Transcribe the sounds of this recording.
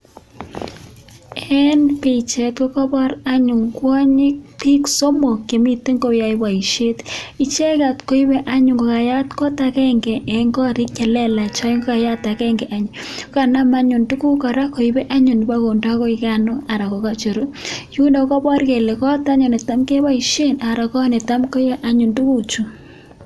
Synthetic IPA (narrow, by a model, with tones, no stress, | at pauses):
ɛ˦npe˨t͡ʃe˨kko˦kɔ˦bɔ˦ɾa˦ɲʊ˨ŋkwɔ˦ɲɪ˦k̚pi˦kso˦mo˨ke˨mi˦te˦ŋɡo˦ja˨i˦ba˨i˨ʃe˦ti˨t͡ʃe˦ka˨tko˦i˦bɛ˦ʔa˦ɲʊ˨ŋɡɔ˨ka˨ja˦tkɔ˦ta˨kɛ˦ŋɡɛ˨ʔɛ˨ŋɡɔ˦ɾi˦kt͡ʃɛ˨lɛ˦la˨t͡ʃɔ˦i˦ŋɡɔ˦ka˨ja˦ta˨kɛ˦ŋɡɛ˨ʔa˦ɲ˨˦ka˨na˦ma˦ɲu˨ndu˦ku˦kɔ˨ɾa˦ko˨i˦bɛ˦ʔa˦ɲu˨ni˨ba˦ko˨nda˦kɔ˦ika˦no˦a˨ɾa˨ko˨ka˦t͡ʃo˨ɾo˦ju˦ndɔ˨kɔ˦bɔ˦ɾke˨le˨kɔ˦ta˦ɲɔ˨ne˨ta˦mke˦ba˦i˨ʃe˦na˨ɾa˨kɔ˦ne˨ta˦mko˦i˦βɛ˦ʔa˦ɲu˨ndu˦ku˦t͡ʃu˨